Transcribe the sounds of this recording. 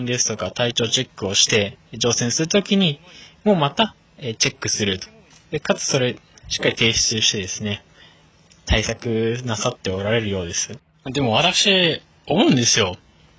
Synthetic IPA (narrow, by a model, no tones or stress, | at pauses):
nd̪esɨ̥t̪o̞kat̪ait͡ɕo̞ːt͡ɕe̞kːɯ̟o̞ɕi̥t̪e̞d͡ʑo̞ːsẽ̞ɰ̃sɨɾɯ̟t̪o̞kʲiɲ̟imo̞ːmat̪a | et͡ɕe̞kːɯ̟sɨɾɯ̟t̪o̥ | d̪̥e̞kat͡sɨ̥so̞ɾe̞ | ɕi̥kːaɾit̪e̞ːɕi̥t͡sɨːɕi̥t̪e̞d̪e̞sɨne̞ | t̪ʰaisakɯ̟nasat̪ːe̞o̞ɾaɾe̞ɾɯjo̞ːd̪e̞sɨ | ad̪e̞mo̞β̞at̪akɯ̥ɕie | o̞mo̞ɯ̟̃nd̪e̞sɨjo̞